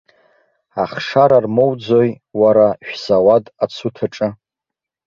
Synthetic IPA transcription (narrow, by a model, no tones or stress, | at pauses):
aχʂaɾarmowd͡zoj | waɾaʃᶣzawadat͡sʰutʰaʈ͡ʂʼɨ